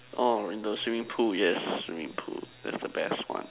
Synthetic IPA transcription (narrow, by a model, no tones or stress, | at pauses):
ʔoɪ̃nðoswĩmĩŋpʰujɛsswḭ̃mḭ̃ŋpʰṵðæ̰tsðəbɛst̚wã̰n